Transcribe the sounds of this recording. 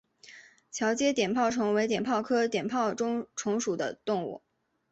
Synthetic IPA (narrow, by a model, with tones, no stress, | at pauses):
t͡ɕʰjɑ˧˥ʊt͡ɕjɛ˥t̪jɛ˨˩npʰɑ˥˩ʊʈ͡ʂʰʊ˧˥ŋwe˧˥ɪt̪jɛ˨˩npʰɑ˥˩ʊkʰɤ˥t̪jɛ˨˩npʰɑ˥˩ʊʈ͡ʂʊ˥ŋʈ͡ʂʰʊ˧˥ŋʂu˨˩d̪ə̰˦t̪ʊ˥˧ŋṵ˥˩